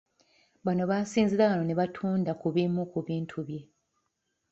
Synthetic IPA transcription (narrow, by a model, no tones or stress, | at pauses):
βano̞βaːsiːnziɾaβano̞ne̞βatʰuːndakuβimukuβiːntʰuβje̞